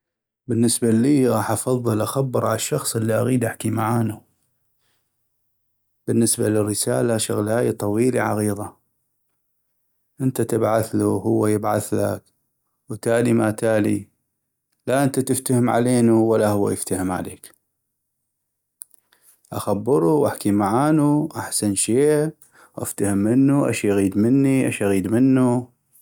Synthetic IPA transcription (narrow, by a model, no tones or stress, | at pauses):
bənːəsbaliːɣɑːħʔɑfɑðˤːɨlʔaxabːəɾˤʕalaʃːɑxsˤʔəlːiʔaɣiːd̪ʔaħkimaʕaːnu | b̥ənːəsbalərːəsaːlaʃʊɣlaːjat̪ˤɑwiːliʕa̰ɣiːðˤa | ʔənt̪at̪əbʕaθluɦʊwːajəbʕaθla̰k | wt̪aːlimaːt̪aːli | laʔɪnt̪at̪ɪft̪ahəmʕa̰leːnuwalːahʊwːa̰jɪft̪ahɪmʕa̰lḛːk | ʔaxabːɪɾˤuwʔaħkimaʕaːnuʔaħsanʃeː | ʔa̰ft̪ahəmːɪnːuʔa̰ʃaɣiːd̪mənːiʔa̰ʃʔaɣiːd̪mənːu